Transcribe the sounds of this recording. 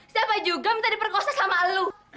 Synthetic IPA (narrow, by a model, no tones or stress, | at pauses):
siapad͡ʒuɡamənt̪adipərkoasasamalu